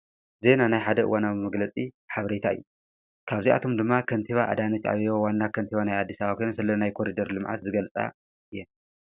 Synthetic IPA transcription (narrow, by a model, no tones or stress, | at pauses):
ze̞nanajħad̪ɐʔɨ̰wanaβmɐɡlɐt͡sʼi | ħaβɐɾet̪ʰaɨ̰jːu | kʰaβzia̰t̪ʰo̞md̪ɨmːakʰɐnt̪ʰiβaʔa̰d̪anɐt͡ʃːa̰βowanːakʰɐnt̪ʰiβanajad̪ːisaβakʰojnsɨlɐnajkʰo̞ɾid̪ɐɾlɨmʕa̰t̪zɨɡɐlt͡sʼa̰ | ɨjːɛn